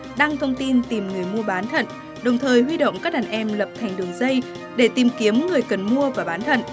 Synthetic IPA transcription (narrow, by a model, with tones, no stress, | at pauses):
ɗa˧ŋt̪ʰə˧wŋ͡mt̪i˧nt̪i˨˩mŋɨ˨˩əjmu˧əɓaː˨˦nt̪ʰə̰˧˨n | ɗə˨˩wŋ͡mt̪ʰəː˨˩jhwi˧ɗə̰˧˨wŋ͡mkaː˦˥k̚ɗaː˨˩nʔɛ˧mlə˨˩p̚t̪ʰa˨˩jŋ̟ɗɨ˨˩əŋzə˧j | ɗe˧˩t̪i˨˩mki˨˦əmŋɨ˨˩əjkə˨˩nmu˧əvaː˨˩ɓaː˨˦nt̪ʰə̰˧˨n